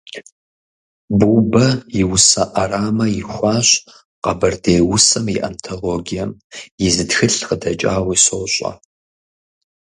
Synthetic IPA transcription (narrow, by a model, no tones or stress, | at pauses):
bubɐjɪwʊsɐʔaraːmɐjɪxʷɑːɕ | qɐbɐrdejwʊsɐmiʔɐ̰mtʰoloːɡʲijɐmjɪzɨtxɨɬqədɐt͡ʃʼa̰ːwiːsoːɕʷʼɐ̰